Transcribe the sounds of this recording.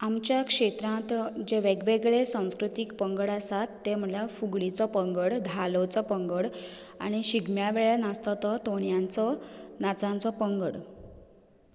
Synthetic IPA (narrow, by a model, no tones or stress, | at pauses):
amt͡ɕjakʂet̪ɾãt̪d͡ʑeʋeɡʋeɡɭesãw̃skɾut̪ikpəŋɡəɽasat̪ːem̤əlafuɡɭit͡sɔpəŋɡəɽd̪ʱalɔt͡sɔpəŋɡəɽ | a̰ɽ̃iɕiɡmjaʋeɭanast̪ɔt̪ɔt̪oɳjant͡sɔnat͡sãnt͡sɔpəŋɡəɽ